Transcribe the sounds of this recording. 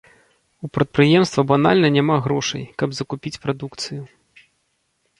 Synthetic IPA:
upɾɐt̪̚pɾɨjɛmst̪vɐbana̰lʲnɐnʲamaɣɾɔʂɐ̰jkɐbzɐkupʲit͡sʲpɾad̪ukt̪sɨju

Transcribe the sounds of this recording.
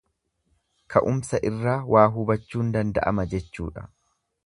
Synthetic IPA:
kʰɐʔʊmsɐʔɪrːaːwʔaːɦʊbɐt͡ʃːuːnd̪ɐnd̪ɐ̰ʔɐ̰mɐd͡ʒɛt͡ʃːṵːᶑɐ̥̰

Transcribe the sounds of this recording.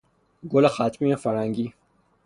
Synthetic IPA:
ɡolaxaːt̪miefɐɾhaŋɡi

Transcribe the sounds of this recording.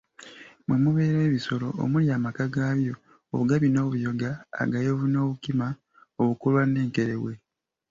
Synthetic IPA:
mwemuβe̞ːɾwe̞ːβiso̞lo̞̰ːmuljaːmakaɡaːβjo̞ː | βuɡaβino̞ːβujo̞ɡa̰ːɡajoβuno̞ːβukima | oβukolwane̞ːŋkeɾewe̞

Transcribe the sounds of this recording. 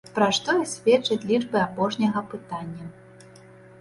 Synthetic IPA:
pɾaʂt̪ɔjisʲvʲɛt͡ʂɐt͡sʲlʲid͡ʐbɨapɔʂnʲɐɣɐpɨt̪anʲːɐ

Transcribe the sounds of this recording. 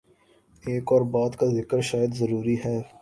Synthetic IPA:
eːkɔːɾbaːd̪kazɪkəɾʃaːjəd̪zɐɾuːɾiɦɛː

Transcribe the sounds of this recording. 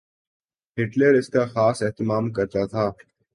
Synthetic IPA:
ɦɪʈleːɾɪskaxaːseɦt̪ɪmaːmkɐɾt̪at̪ʰaː

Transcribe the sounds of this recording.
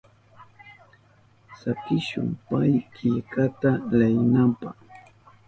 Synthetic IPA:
sakɪʃʊ̰ŋpajkɪʎkat̪alajnampaχ

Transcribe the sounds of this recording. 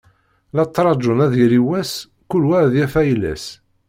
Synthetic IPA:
lɑt̪ˤːɾˤɑd͡ʒonæðiɾiwæs | kulwæðjæfæjlæ̰s

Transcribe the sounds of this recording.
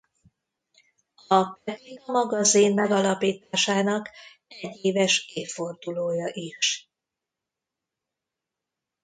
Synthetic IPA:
ɒpɛt̪iɡɒmɒɡɒzinmɛɡɒlɒpiːt̪aːʃaːnɒk | ɛɟːeːvɛʃeːfo̞rd̪uloːjɒʔiʃ

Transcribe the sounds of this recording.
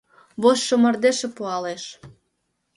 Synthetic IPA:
βoʃːomə̆rd̪eʃĕpuɑleʃ

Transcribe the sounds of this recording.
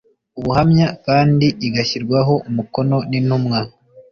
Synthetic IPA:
uβuhamɲakaːndiʔːɡaçiɾɡwaɦo̞ʔumuko̞no̞ninumŋa

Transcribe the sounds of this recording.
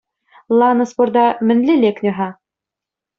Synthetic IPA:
lˠɑnɤspord̪ɑmɘ̆nlʲɘlʲeknʲɘ̆ɦɑ

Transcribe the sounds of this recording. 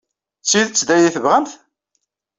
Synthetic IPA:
t͡sːiðt͡sːd̪æjiθəvʁəmθ

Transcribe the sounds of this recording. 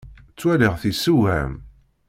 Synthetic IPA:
t͡sːwæliʁθisːuæ̰m

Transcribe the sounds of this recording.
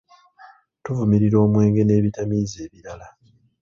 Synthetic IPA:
tuvumiɾiɾo̞ːmwe̞ːŋɡe̞ne̞ːβitamiːze̞ːβiɾala

